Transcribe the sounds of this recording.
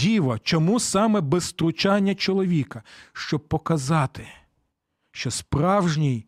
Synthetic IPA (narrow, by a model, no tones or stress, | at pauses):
iʋɐt͡ʃɔmusɑmɛbɛst̪ɾʊt͡ʃɑnʲːɐt͡ʃɔlˠɔʋʲikɐʃt͡ʃɔb̚pɔkɐzɑt̪ɪ | ʃt͡ʃɔspɾɑwʒnʲij